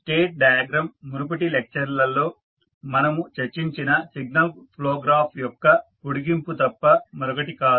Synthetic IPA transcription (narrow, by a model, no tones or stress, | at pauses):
sʈeːʈ̚ɖɐjɐɡɾɐmːuɾup̬ɐʈilek̚t͡ʃɐɾlɐlːo̞ː | mɐnɐmut͡ʃeɾt͡ʃːiɲt͡ʃinɐsiɡ̚nɐlpʰloːɡɾaːpʰjɔkːɐkuɽiɡimput̪ɐpːɐmɐɾɔkɐʈikaː